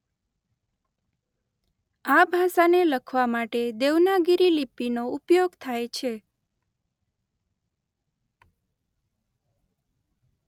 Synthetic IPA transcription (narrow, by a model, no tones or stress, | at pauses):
abʱasaneləkʰʋamaʈed̪eʋnaɡiɾilipinoupjoɡt̪ʰajt͡ʃʰe